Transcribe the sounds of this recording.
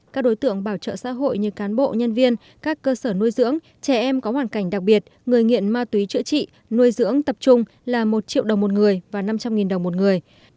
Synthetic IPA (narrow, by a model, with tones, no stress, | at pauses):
kaː˦˥k̚ɗo˨˦jt̪ɨ̰˧˨əŋɓaː˧˩wt͡ɕə̰ː˧˨sa̰ː˧˥ɦo̰˧˨jɲɨ˧kaː˨˦nɓo̰˧˨ɲə˧nvi˧ən | kaː˦˥kːəː˧səː˧˩nu˧əjzɨ̰˧˥əŋ | t͡ɕɛ˧˩ʔɛ˧mkɔ˨˦hwaː˧˩nka˧˩ŋ̟ɗa˨˩k̚ɓi˨˩ət̚ŋɨ˨˩əjŋḭ˧˨ənmaː˧wt̪wi˨˦t͡ɕɨ̰˧˥t͡ɕḭ˧˨ | nu˧əjzɨ̰˧˥əŋt̪ə˨˩p̚t͡ɕʊ˧ŋ͡m | laː˨˩mo˨˩t̚t͡ɕḭ˧˨əwɗə˨˩wŋ͡mmo˨˩t̚ŋɨ˨˩əjvaː˨˩na˧mt͡ɕa˧mŋi˨˩nɗə˨˩wŋ͡mmo˨˩t̚ŋɨ˨˩əj